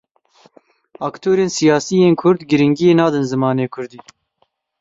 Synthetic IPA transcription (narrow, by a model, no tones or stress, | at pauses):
ɑːkt̪ʰoːɾeːnsijɑːsiːjeːnkʰʊɾd̪ɡɨɾɪŋɡijeːnɑːd̪ɨnzɨmɑːneːkʰʊɾd̪iː